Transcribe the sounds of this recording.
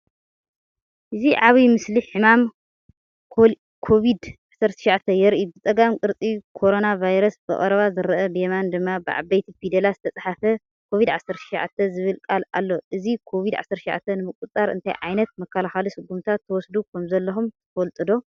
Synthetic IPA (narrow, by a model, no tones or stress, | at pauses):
ʔɨziʕaβimɨsliħɨmam | kʰo̞βid̪ʕasːɐɾt̪ʰɐ̥ʃʕat̪ʰɐjɛɾʔibɨt͡sʼɐɡamkʼɨɾt͡sʼikʰo̞ɾo̞navajɾɐsbɨχʼɐ̰ɾɐβazɨɾɐʔɐbɛmand̪ɨmːabɨʕa̰bɐjt̪ʰipid̪elazɨt̪ʰɐt͡sʼaħafɐ | kʰo̞βid̪ʕasːɐɾt̪ʰɐ̥ʃʕa̰t̪ʰːɐzɨβɨlkʼala̰lːo̞ʔɨzikʰo̞βid̪ʕa̰sɐɾt̪ʰʃʕa̰t̪ʰːɐnɨmɨkʼut͡sʼaɾɨ̰nt̪ʰajʕajnɐt̪̚mɐkʰːɐlaxalisɨɡːumt̪ʰat̪ʰːɐwɔsd̪ukʰɐmzɐlːɐxumʰ | wɔlt̪ʼɨd̪o̞